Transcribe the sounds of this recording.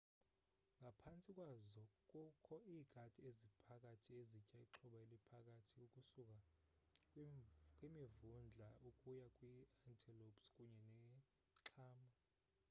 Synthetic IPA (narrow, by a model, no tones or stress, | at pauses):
ŋɡʱapʰant͡sʼikʼwazɔkʼukʰɔiːɡ̥ʱadʼiezipʰak̬ʼatʰiezicʼaiǁʰɔɓaelipʰak̬ʼatʰiukʼusuk̬ʼa | kʼwimivund͡ɮʱaukʼujakʼwiantʰʼilopskʼuɲɛnɛ | ǁʰaːma